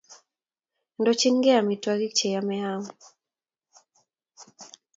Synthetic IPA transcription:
ndɔt͡ʃiŋɡɛamitwaɣit͡ʃɛjamɛamu

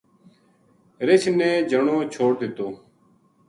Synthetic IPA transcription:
ɾɪt͡ʃʰnẽːd͡ʒəɳoːt͡ʃʰoːɽd̪ɪt̪oː

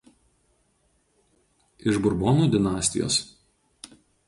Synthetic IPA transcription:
ɪʒbʊɾboːnuːd̪ʲɪnɑːsʲt̪ʲɪjo̰ːs

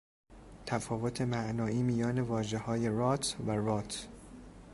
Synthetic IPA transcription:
t̪ʰæfɒːvot̪ʰe̞mæʔnɒːiːmijɒːne̞vɒːʒe̞hɒːje̞rɒːt̪ʰværɔːt̪ʰ

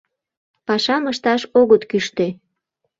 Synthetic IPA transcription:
pɑʃɑməʃt̪ɑʃoɣət̪kyʃt̪e

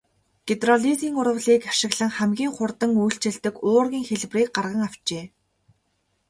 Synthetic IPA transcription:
ɡ̥et̪rɔɮiziːŋʊrə̆ɮiːkaʃɪ̆ɣɮə̆ŋχæmɡʲiːŋχʊrt̪ə̆ŋujɬt͡ɕɪ̆ɮt̪ɘ̆kʊːrɣʲiːŋxeɮwriːk̚ɢarʁə̆ŋaw̥t͡ɕeː

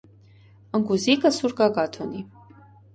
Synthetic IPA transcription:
əŋɡuzikəsuɾkɑɡɑt̪ʰɔni

